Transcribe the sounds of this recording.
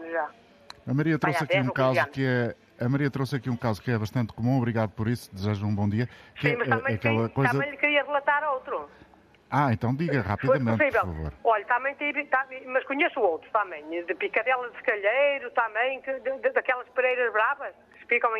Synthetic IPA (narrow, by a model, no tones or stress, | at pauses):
ʒa | ɐmɐɾiɐt̪oɐkɛũkazakɨɛ | ɐmɐɾiɐt̪ɾosɐkiũkazukɛβɐʃt̪ɐ̃nt̪kumũɔβɾiɣaðupɔɾisu̥d̪ɨzeʒɐũbõd̪iɐskɛ̃mɐʃmɐ̃ɐkɛlˠɐkojɐzɐɐ̃j̃ʎkɨɾiɐʁɨlˠɐt̪aɾowt̪ɾu | aẽnt̪ɐ̃w̃d̪iɣɐʁapfiðoðɐmẽsivpvɛlˠɾfɐ̰vo̰ɾɔʎɐt̪ɐmɐ̃j̃t̪iβt̪amɐʃkuɲesuowt̪ɾut̪amɐ̃j̃d̪ɨpikɐðɛlˠɐðʃkɐʎejɾut̪amɐ̃j̃kɨd̪d̪d̪ɐkɛlˠɐʃpɨɾejɾɐʒβɾavɐʃkɨ̥sfikɐ̃w̃